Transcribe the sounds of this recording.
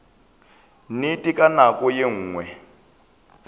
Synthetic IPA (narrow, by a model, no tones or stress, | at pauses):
nitʼikʼanakʼɔjeŋ̩ːŋwɛ